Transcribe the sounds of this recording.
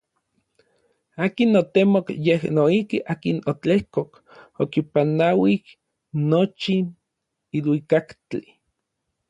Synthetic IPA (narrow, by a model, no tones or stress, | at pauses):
aːkinot̪emokjehnoihkiʔaːkinot͡ɬehkok | okipanawih | not͡ʃin | ilwikakt͡ɬi̥